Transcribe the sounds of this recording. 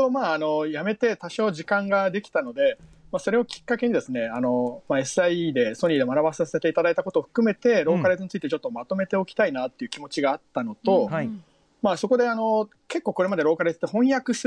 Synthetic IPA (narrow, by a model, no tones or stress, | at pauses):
omaːno̞jame̞t̪e̞t̪aɕo̞ːʑikãŋɡad̪e̞kʲi̥t̪ano̞d̪e̞ | maːso̞ɾe̞okʲi̥kːake̞ɲ̟id̪e̞sɨne̞ano̞mae̞sɨaid̪e̞soɲʲid̪e̞manaβasase̞t̪e̞it̪ad̪ait̪ako̞t̪oːɸɯ̟̥kɯ̟me̞t̪e̞ɾo̞ːkaɾezɨɲit͡sɨit̪e̞t͡ɕot̪ːo̞mat̪o̞me̞t̪e̞o̞kʲt̪ainat̪ːe̞iɯ̟kʲimo̞t͡ɕiɡaːt̪ːano̞t̪o̞ | maːso̞ko̞d̪e̞ano̞ | ke̞kːo̞ːkoɾe̞mad̪eɾo̞ːkaɾezɨ̥t̪ːe̞hõ̞ɰ̃jakɯ̟s